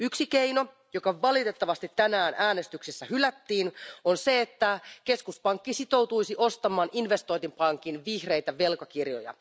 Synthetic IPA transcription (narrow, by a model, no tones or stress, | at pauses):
yksikeino̞ | jo̞kɑʋɑlit̪e̞t̪ːɑʋɑst̪it̪ːænæːnʔæːne̞st̪yksesːæhylæt̪ːiːnonse̞et̪ːækeskuspɑŋkːisit̪o̞wt̪uisiʔost̪ɑmɑːnʔinʋe̞st̪o̞jnt̪impɑŋkinʋihre̞jt̪æʋe̞lkɑkirjo̰jɑ̰